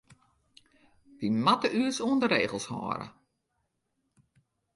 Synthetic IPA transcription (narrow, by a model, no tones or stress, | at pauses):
dimatəyəsuəndəɾeːɣəl̩ˠshɔ̰ːɾə̰